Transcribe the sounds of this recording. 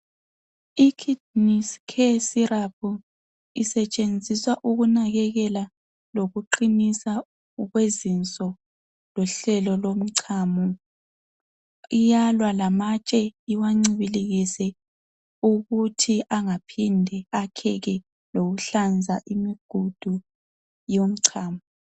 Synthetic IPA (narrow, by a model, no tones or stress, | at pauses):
ikʰid̚niskʰesirapʰu | isɛt͡ʃʼend͡zʱiswaʔuɣunaɣɛɣɛla | loɣuǃinisa | ɣwezint͡sʼɔ | lɔɬɛlɔlom̩ǀʰamu | ijalwalamat͡ʃʼɛiwaŋ͡ǀiβiliɣisɛ | uɣutʰiʔaŋapʰindʱɛakʰɛɣɛ | loɣuɬand͡zʱaʔimiɡ̥ʱud̥ʱu | jom̩ǀʰaːmu